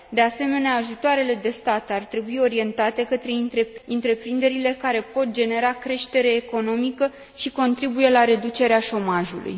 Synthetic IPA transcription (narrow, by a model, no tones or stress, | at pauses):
d̪e̞ase̞me̞neaːʒut̪oaɾe̞le̞d̪e̞st̪at̪art̪ɾe̞buio̞ɾie̞nt̪at̪e̞kət̪ɾe̞it̪ɾeint̪ɾe̞pɾind̪e̞ɾile̞kaɾe̞po̞t̪̚d͡ʒe̞ne̞ɾakɾe̞ʃt̪e̞ɾe̞ːko̞no̞mikə | ʃiko̞nt̪ɾibuje̞laɾe̞d̪ut͡ʃe̞ɾeaʃo̞maʒulṵj